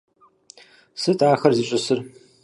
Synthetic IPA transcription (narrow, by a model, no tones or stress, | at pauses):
sɨtʼaːxɐrziːɕʼɨsɨr